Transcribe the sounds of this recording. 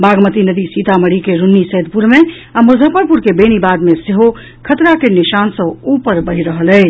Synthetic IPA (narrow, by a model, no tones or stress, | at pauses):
baɡmət̪inəd̪isit̪aməɽikeɾunːisəɦd̪ʱpuɾme | aməd͡ʒʱəpəɾpuɾkebeñibad̪meseɦo | kʰət̪ɾakeniʃansə̃upəɾbəɦiɾəɦəlɛː